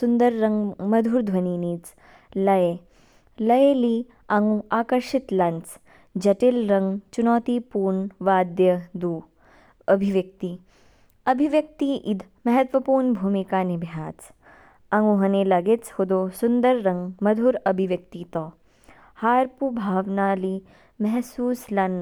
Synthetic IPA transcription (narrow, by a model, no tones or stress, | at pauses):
sund̪ɐɾːɐŋɡmɐd̪ʱuːɾd̪ʱʋɐniːniːt͡s | lɐje | lɐjeːliː | ɐŋɡũaːkɐɾʃit̪lɐnt͡s | d͡ʒɐʈilɾɐŋɡt͡ʃunɔːt̪iːpuːɾɳʋaːd̪jɐd̪uː | ɐbʱiʋjɐk̚t̪i | ɐbʱiʋjɐk̚t̪iʔid̪ʱ | mɐɦɐt̪ʋɐpuːɾɳbʱuːmikaːnibʱjaːt͡s | ɐŋɡuɦɐneːlɐɡet͡shod̪oːsund̪ɐɾːɐŋɡmɐd̪ʱuɾɐbʱiʋjɐk̚t̪it̪ɔː | haːɾpubʱaːʋnaːli | mɐɦsuːslɐn